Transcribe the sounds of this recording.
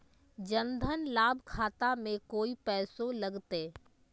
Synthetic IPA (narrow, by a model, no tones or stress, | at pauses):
d͡ʒə̃nd̪ʱənlaːbʱkʰaːt̪amẽkoːipɛːsolɐɡt̪eː